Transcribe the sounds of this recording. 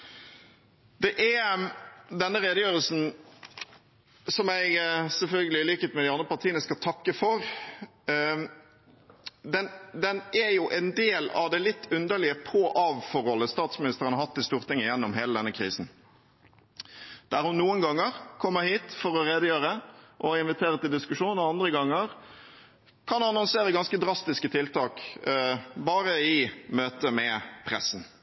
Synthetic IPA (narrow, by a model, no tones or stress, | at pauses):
d̪̥ɛʔeː | d̪ɛnːəʁeːd̪əjøːʁəlsn̩ | sɔmæɪɡsɛlfœlɡəlɪliːkət̪mɛd̪ɪɑnd̪ʁəpɑɾt̪ʰiːənəskɑt̪ʰɑkːəfɔʁ | d̪ɛnd̪ɛnæjʊʔɛnd̪eːlɑ̰ʋd̪ɛlɪt̪ːʉnd̪əlɪəpʰoʔɑːʋfɔɾhɔlːəst̪ɑːt̪smɪnɪst̪əɾənəhɑt̪ːɪst̪uːʁt̪ʰɪŋːəjɛnːɔmɦeːləd̪ɛnːəkʰʁiːsn̩ | d̪̥æɾhʊnːuːənɡɑŋːəʁkʰɔmːəhiːt̪fɔɾɔʁeːd̪əjøːɾəʔɔɪnʋɪt̪ʰeːɾət̪ɪld̪ɪskʉʂuːnɔɑnd̪ɾəɡɑŋːəʁ | kʰɑnɑnɔnseːɾəɡɑnskəd̪ɾɑst̪ɪskət̪ʰɪlt̪ʰɑːk | bɑːɾəɪmøːt̪əmɛpʰɾɛsn̩